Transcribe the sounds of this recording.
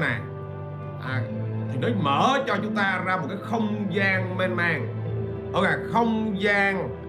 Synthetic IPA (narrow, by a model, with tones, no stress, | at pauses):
na˨˩ | ʔaː˨˩t̪ʰi˨˩no˨˦məː˧˩t͡ɕɔ˧t͡ɕʊ˨˦ŋ͡mt̪aː˧zaː˧mo˨˩t̚kaː˨˦jxə˧wŋ͡mzaː˧ŋme˧nmaː˧ŋ | ʔo˧a˨˩xə˧wŋ͡mzaː˧ŋ